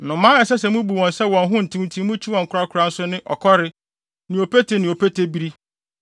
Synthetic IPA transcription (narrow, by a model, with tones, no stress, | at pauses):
nʊ̃˨mãː˦ɛ˨sɛ˦sɛ˨mũ˦bu˨wɔ̃˨nsɛ˦wɔ̃˨nɦʊ̃˦n̩˨tʰĩ˦m˨tʰĩ˦mũ˦t͡ɕʰi˦wɔ̃˨ŋ̩˨kʊ˨ɾa˦kʰʊ˨ɾa˦n̩˦sʊ˦nɪ̃˦ʔɔ̰˨kʰɔ˦ɾɪ˦ | nɪ̃˨o˨pe˦tʰe˦nɪ̃˨o˨pʰe˦tʰe˦bi˦ɾi˦